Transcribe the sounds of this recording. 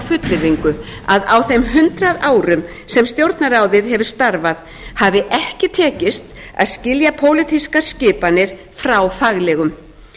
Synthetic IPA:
fʏt̪lɪviŋkʏaðawθejmɦʏnt̪ɾaðaːwɾʏm | sɛmst̪jowɾt̪naɾaːwðɪðɦɛvʏst̪aɾvað | havɪʔɛhcɪt̪ʰɛːcɪst̪ | a̰ðscɪljapʰoːwlɪt̪ʰiskaɾ̥scɪːpanːɪɾ̥ | fɾawfaɣlɛɣʏm

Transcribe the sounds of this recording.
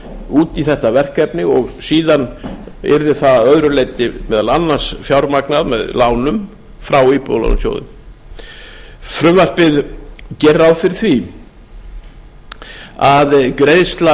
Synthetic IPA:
uːt̪iθɛht̪avɛr̥kɛpnɪɣɔɣsiːðan | ɛ̰ɾðɪθaðaðœðɾʏleːjt̪ɪmɛːðalanːḁsfjawɾmaknaðmɛ̰ðlaːwnʏm | fɾawipo̰wla̰nʏ̰msjo̰ːwðʏ̰m | fɾʏmvar̥pɪðcɛrːawfɪɾɪ̥θvi | aðkɾeðst̪la

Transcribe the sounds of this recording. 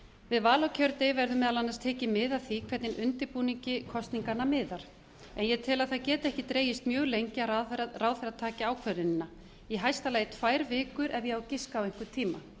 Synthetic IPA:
vɪðvaːlawcʰœɾt̪ɪvɛɾðʏmɛðalanːaɾst̪ʰɛːcɪmɪðaðθikʰvɛɾt̪nɪnʔʏnt̪ɪɾpuːniɲcɪkʰɔst̪niŋkanːamɪːðaɾ̥ | ɛnjɛt̪ʰɪlaðθaðcɛːt̪ɛhcɪt̪ɾeːjɪst̪mjœːɣlejɲcɪaraːwθɛɾaðt̪ʰaːcɪaːwkʰvœɾɪnɪnːa | jɛɦajst̪alajɪt̪ʰvaːjɾvɪːkʏɾʔɛvjɛɣawcɪskaweŋ̥kʏ̥t̪ʰiːma

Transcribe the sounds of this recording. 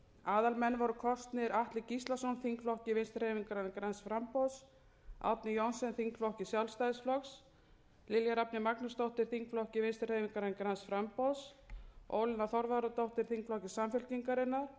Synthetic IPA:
aːðalmɛnːvaɾʏkʰɔst̪nɪɾaht̪lɪcist̪lasɔnθiŋkflɔhcɪvɪnst̪rheːjviŋkaɾankaɾansfɾampɔðs | a̰p̚nɪjɔnsɛnθiŋkflɔhcɪsjawlst̪ajðsflɔks | lɪljaɾap̚nɪmaknast̪owht̪ɪɾ̥θiŋkflɔhcɪvɪnst̪r̥ejviŋkaɾankaɾansfɾampɔðso̰ːwlɪnaθɔɾvaɾat̪owht̪ɪɾ̥θiŋkflɔhcɪsamfʏl̥ciŋkaɾɪnːaɾ̥

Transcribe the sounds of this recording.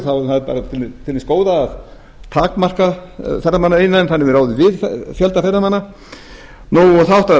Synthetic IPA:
θaθaðpa̰ːɾat̪ʰɪlɪt̪ʰɪlmɪskoːwðaːð | t̪ʰaːkmar̥kaθɛrːamanːaejnːanθanːɪvɪɾaːwðɪvɪðfjɛlt̪afɛrːamanːa | nuɔθaɔht̪a

